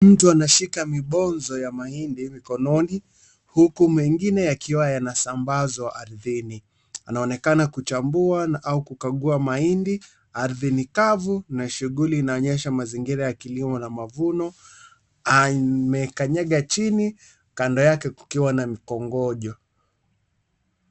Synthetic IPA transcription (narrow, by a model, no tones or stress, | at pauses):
m̩tuanaʃikamiɓɔnzɔjamaindimikɔnɔni | hukumɛŋɡinɛjakiwajanasambazɔʔaɾðini | anaɔnɛkanakut͡ʃambuaaukukaɠuamaindi | aɾðinikavunaʃuɠuliːnaɔɲɛʃamaziŋɡiɾajakilimɔnamavunɔ | amɛkaɲɛɠat͡ʃini | kandɔjakɛku̥kiwanamikɔŋɡɔʄɔ